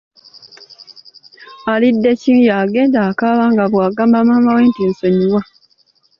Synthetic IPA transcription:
alidːe̞cijaːɡe̞ːndakaːβaːŋɡaβwaːɡaːmbaːmaːmawe̞ːntinsoɲiwa

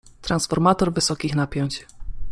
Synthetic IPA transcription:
t̪ɾansfɔɾmat̪ɔɾvɘsɔkʲixnapʲjɔɲt͡ɕ

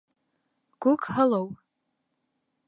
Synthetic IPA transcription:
ɡ̥ʷʊkʰʼħalowpʼ

